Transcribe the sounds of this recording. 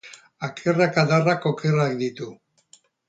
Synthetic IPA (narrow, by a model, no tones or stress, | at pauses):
akʰerakaðarako̞kerak̚d̪it̪u